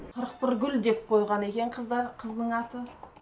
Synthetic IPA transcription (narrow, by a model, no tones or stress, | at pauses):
qʰəɾəq̚pɪɾɡʲʏld̪e̞p̚qʰo̞jʁɑne̞kʲe̞ɴqʰəzd̪ɑɾqʰəznəɴɑt̪ə